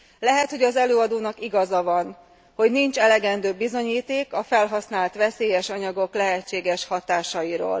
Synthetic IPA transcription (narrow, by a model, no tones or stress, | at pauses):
lɛɦɛt̪ho̞ɟɒzɛløːɒd̪oːnɒkiɡɒzɒvɒn | ho̞ɟnint͡ʃɛlɛɡɛnd̪øːbizo̞ɲiːt̪eːkɒfɛlɦɒsnaːlt̪ʋɛseːjɛʃɒɲɒɡo̞klɛɦɛt͡ʃːeːɡɛʃhɒt̪aːʃɒjiɾo̰ːl